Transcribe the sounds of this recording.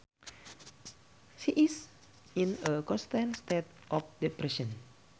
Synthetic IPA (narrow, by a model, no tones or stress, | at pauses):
ʃiʔis | inəkɔ̃nst̪ãnst̪et̪̚ʔɔfdepɾɛʃɔ̃n